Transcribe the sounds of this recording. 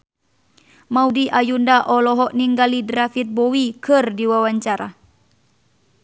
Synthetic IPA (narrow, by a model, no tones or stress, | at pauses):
maudiʔajundaʔɔlɔɦɔʔniŋɡalidɾafit̪̚bɔwikɨrdiwawaɲt͡ʃaɾa